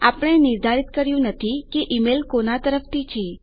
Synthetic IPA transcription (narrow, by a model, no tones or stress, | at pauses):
apəɽ̃enɪɾd̪ʱaɾit̪kəɾjũnət̪ʰikeʔimelkonat̪əɾəft̪it͡ʃʰe